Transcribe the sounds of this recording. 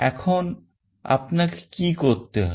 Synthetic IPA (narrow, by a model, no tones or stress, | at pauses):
ɛ̰kʰoːn | ɐ̰pnɐkkikoːt̪ːeɦ